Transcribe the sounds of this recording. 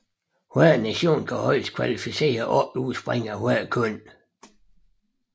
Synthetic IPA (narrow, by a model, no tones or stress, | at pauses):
hoæðnæɕo̝̰ːnkʰæhɒɪ̰skʰʋælifise̝̰ːɐʔɒ̥uːsb̥ʁeŋ̰ɐɦhwækʰɔn̰